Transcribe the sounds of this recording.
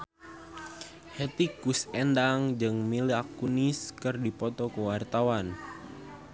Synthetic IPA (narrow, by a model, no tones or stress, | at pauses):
het̪ikusɛndaŋd͡ʒɨŋmiliakuniskɨrdipɔt̪ɔkəwart̪awan